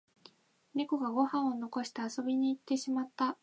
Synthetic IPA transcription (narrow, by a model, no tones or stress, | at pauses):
nʲiko̞ɡaɡo̞hãɰ̃o̞no̞ko̞ɕi̥t̪easo̞bʲiɲ̟iːt̪ːe̞ɕimat̪ːa